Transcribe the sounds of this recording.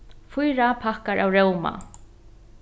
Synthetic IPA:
fʊjɾapʰahkaɹʔawɾɛwma̰

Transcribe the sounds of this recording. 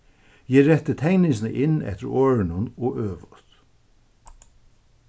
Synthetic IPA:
jɛːɾɛht̪ːɪt̪ʰɛŋnɪŋs̬nə̰ʔɪnːɛ̰ht̪ɪ̰ɹoːɹɪnʊnɔøːʋʊt̪

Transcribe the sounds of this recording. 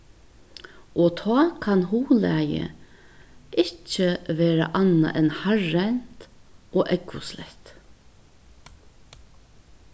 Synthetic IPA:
ʔoːt̪ʰɑːkʰɑnhuːlæːjə̰ | ʔɪt͡ʃəʋeːɾɑ̰ʔɑnɑ̰ʔɛnhaɹɛnt̪ʔoːʔɛɡʊslɛ̰t̪

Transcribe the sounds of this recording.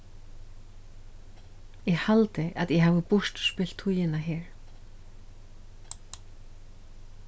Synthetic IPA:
jɛɣhalt̪ɪʔaðjɛɦavɪpʊʂt̪spɪl̥t̪ʰujɪnaɦɛːɾ

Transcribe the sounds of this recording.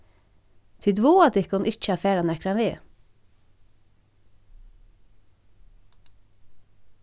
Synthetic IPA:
t̪ʰɪd̪ʋuːɑd̪ɪkʊnʔɪt͡ʃəɑːfeːɾɑnɛkɾɑnʋiː

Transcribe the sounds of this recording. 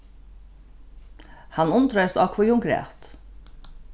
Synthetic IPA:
hɑnʊnt̪ɾœʏst̪ɑkʰʋʊjʊŋɡɾḛːt̪

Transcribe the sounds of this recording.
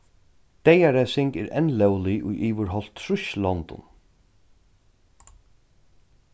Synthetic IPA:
d̪̥ɛjaɾæːsɪŋkɛ̰ɾɛ̰nlɛwlɪʔʊ̰jʔiːʋəɾɦɔl̥t̪ʰːɾʊʃlɔnt̪ʊ̰n

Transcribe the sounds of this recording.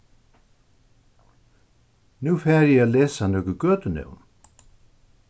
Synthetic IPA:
nufɛːɾjɛalɛːsanœːkʏkœːt̪ʏnḛwn

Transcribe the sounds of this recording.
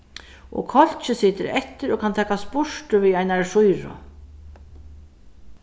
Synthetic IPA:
ɔ̰kʰɔl̥t͡ʃɪsiːt̪ɪɾɛht̪ːɪɾɔkʰant̪ʰɛːkaspʊʂʈʊviajnaɾʂujɾʊ̰

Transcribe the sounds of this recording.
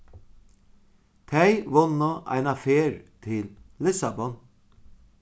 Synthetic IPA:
t̪ʰæɪʋɔnoʔæ̰ɪnɑfeːɹt̪ʰɪllɪsɑbɔn

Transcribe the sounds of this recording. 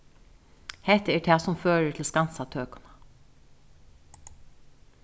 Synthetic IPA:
hɛht̪əɛɹt̪ʰɛːsʊmføːɹət̪ʰɪlskansat̪ʰøːkʊnḁ

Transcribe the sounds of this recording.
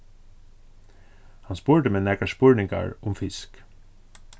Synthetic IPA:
hɑnspuːɹɖəmeːnɛkəʃpuːɹnɪŋɡɑ̰ɹʊmfɪsk

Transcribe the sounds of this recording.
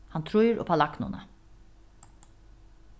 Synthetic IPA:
hɑnt̪ʰɾujɾʔo̰ːpʰɑlɑknʊ̰nə

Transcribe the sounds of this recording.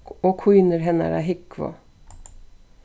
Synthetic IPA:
oːkʰujnəɾɦɛnæ̰ɾæ̰ɦɪkʋɔ̰

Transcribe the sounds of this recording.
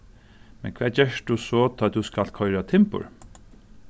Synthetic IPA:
mɛ̰nkʰʋɛːd͡ʒɛʂɖusɔːt̪ʰɔːt̪uskalt̪̚kʰɔʏɾat̪ʰɪmpʊ̰ɹ

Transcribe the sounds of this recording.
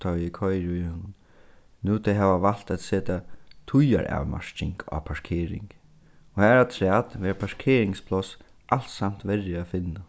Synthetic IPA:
t̪ʰɔɪkʰɔjɾʊjhɔnʊn | nut̪ʰɛɦɛːʋaʋal̥t̪at̪seːt̪at̪ʰʊja̰ɹa̰ːwma̰ʂt͡ʃɪŋka̰ːpʰaʂkʰeːɾɪ̰ŋk | ɔhæːɾat̪ʰɾæːt̪ʋɛːɹpʰaʂkʰeːɾɪŋspʰlɔs | ʔal̥t̪sam̥t̪ʋɛɹːɪafɪnːa

